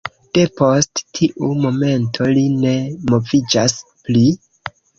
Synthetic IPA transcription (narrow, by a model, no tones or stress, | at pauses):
d̥e̞po̞sttʰiʔumo̞me̞ntʰo̞line̞mo̞vid͡ʒaspli